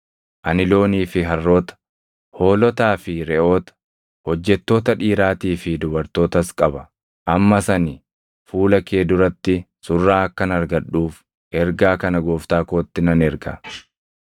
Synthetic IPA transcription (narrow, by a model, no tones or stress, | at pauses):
ʔɐnɪlo̞ːniːfɪɦɐrːo̞ːt̪ɐ̥ | ho̞ːlɔt̪aːfɪɾɛʔo̞ːt̪ɐ̥ | hɔd͡ʒːɛt̪ːo̞ːt̪ɐᶑiːɾaːt̪iːfɪd̪ʊbɐɾt̪o̞ːt̪ɐskʼɐbɐ | ʔɐmːɐsɐnɪ | fuːlɐke̞ːd̪ʊɾɐt̪ːɪsʊrːaːɐkːɐnɐɾɡɐᶑːuːf | ʔɛɾɡaːkɐnɐɡoːft̪aːkoːt̪ːɪnɐnɛɾɡɐ̰